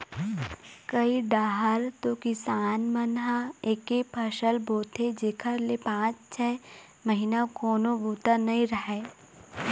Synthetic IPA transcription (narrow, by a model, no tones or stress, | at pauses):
kəiɖaːɦəɾt̪okɪsaːnmənɦaeːkepʰɐʃəlboːt̪ʰed͡ʒeːkʰəɾlepãːt͡ʃt͡ʃʰɛː | məɦinakoːnoboːt̪anɐĩɾɐɦɛː